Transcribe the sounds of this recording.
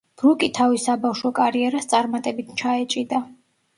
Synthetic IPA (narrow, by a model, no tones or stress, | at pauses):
b̥ɾukʼit̪ʰavisabafʃɔkʼaɾiɛɾast̪sʼaɾmat̪ʼɛbit̪ʰt͡ʃʰaɛt͡ʃʼid̪a